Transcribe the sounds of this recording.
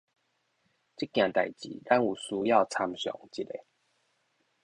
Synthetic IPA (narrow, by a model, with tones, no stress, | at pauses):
t͡ɕi˦kj̃ã˨˩t̪a˨˩jt͡ɕḭ˨˦ɾa˦nu˨˩su˧ja˥˨ʊt͡sʰa˧mɕjɔ̰˨˦ŋt͡ɕi˦tḛ˨˦